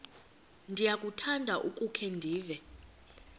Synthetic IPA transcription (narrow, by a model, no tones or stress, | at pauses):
ndʱijak̬ʼutʰandʱaʔukʼukʰɛndʱiːvɛ